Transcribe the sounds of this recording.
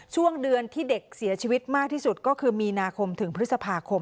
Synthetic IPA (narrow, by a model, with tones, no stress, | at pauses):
t͡ɕʰu˥˩əŋdɯ˧ənt̪ʰiː˥˩de˨˩k̚si˩˦t͡ɕʰiː˧wi˦˥t̪̚maː˥˩k̚t̪ʰiː˥˩su˨˩t̪̚kɔː˥˩kʰɯː˧miː˧naː˧kʰo˧mt̪ʰɯ˩˦ŋpʰɾɯ˦˥t̪̚sa˧pʰaː˧kʰo˧m